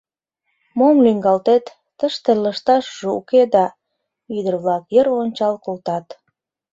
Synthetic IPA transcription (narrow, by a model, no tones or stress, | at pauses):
momlyŋɡɑlt̪et̪ːəʃt̪eləʃt̪ɑʃʒeṵked̪ɑ | yd̪ərβlɑkjəɾonʲt͡ɕɑlkolt̪ɑt̪